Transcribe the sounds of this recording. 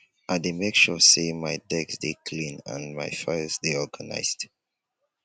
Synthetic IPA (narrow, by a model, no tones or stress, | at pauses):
ʔademekʃɔsemajdɛɡsdekʰlĩnã̰nmajfaɪsdeɔɡəna̰ɪsd̥